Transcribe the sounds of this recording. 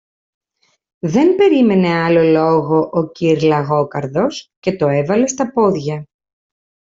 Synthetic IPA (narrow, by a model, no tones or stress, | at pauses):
ðenbe̞ɾime̞ne̞ɐlo̞lo̞ɣo̞ʔociɾlɐɣo̞kɐɾðo̞sce̞t̪o̞e̞vɐle̞st̪ɐpo̞ðʝɐ